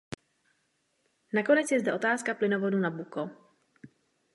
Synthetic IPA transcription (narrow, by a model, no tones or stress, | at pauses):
nako̞nɛt͡sjɛzdɛʔo̞t̪aːskaplɪnovo̞dunabuko